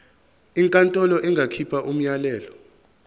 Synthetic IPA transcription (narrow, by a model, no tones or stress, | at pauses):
iŋkʼantʼɔlɔʔɛŋɡʱakʰipʰaʔum̩jalɛːlɔ